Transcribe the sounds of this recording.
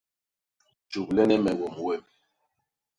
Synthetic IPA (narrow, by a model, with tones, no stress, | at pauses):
d͡ʒu˨k̚lɛ˦nɛ˦mɛ˨wɔ˨mwɛ˦˨m